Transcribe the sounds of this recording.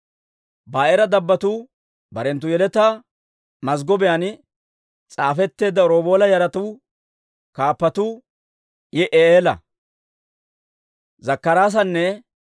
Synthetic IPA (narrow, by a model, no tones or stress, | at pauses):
baːʔɛɾɐd̪ɐbːɐt̪uː | bɐɾɛnt̪̬ːʊjɛlɛt̪aː | mɐzɡɔbɛjan | t͡sʼaːfɛt̪ːe̞ːd̪ːɐɾo̞ːbo̞ːlɐjɐɾɐt̪uː | kaːpːɐt̪uː | jɛʔeeːlɐ̰ | zɐkːɐɾaːs̬ɐnːɛ